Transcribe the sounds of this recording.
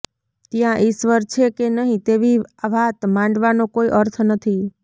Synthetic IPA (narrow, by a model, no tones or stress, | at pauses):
t̪jãʔisʋəɾt͡ʃʰekenəɦĩt̪eʋiaʋat̪mãɳɖʋanokoiʔəɾt̪ʰnət̪ʰi